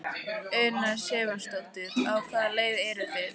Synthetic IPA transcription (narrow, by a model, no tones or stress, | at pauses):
œɥnasjɛːvanst̪owt̪ɪðawkʰvaːðaleːjðɛɾʏvɪð